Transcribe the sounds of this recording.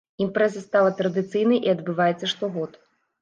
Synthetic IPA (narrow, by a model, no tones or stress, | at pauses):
impɾɛzɐst̪alˠɐt̪ɾɐd̪ɨt̪sɨjnɐjʔiɐd̪bɨvajɛt̪sːɐʂt̪ɔɣɔt̪